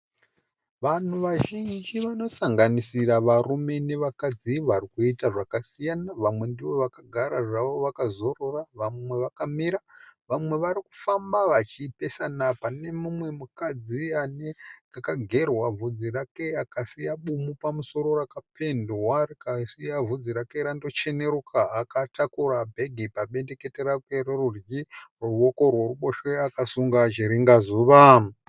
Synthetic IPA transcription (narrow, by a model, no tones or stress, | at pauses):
ʋan̤uʋaʒind͡ʒiʋano̞saŋɡanisiraʋarume̞ne̞ʋakad͡ziʋarikuitaʐakasijanaʋamwe̞ndiʋo̞ʋakaɡʱaɾaʐaʋo̞ʋakazo̞ro̞raʋamwe̞ʋakamiɾaʋamwe̞ʋaɾiku̥fambaʋat͡ʃipe̞sanapane̞mumwe̞mukad͡zianeakaɡʱe̞rwavud͡zirake̞akasijaɓumupamuso̞ɾo̞rakapʰe̞ndwarikasijavʱud͡ziɾake̞ɾando̞t͡ʃe̞ne̞ɾukʰaːkatakuɾabʱe̞ɡʱipaɓe̞nde̞ke̞teɾakweɾerurɡirruwo̞ko̞rwo̞ruɓo̞ʃeakasuŋɡad͡ʒiɾiŋɡazuːʋa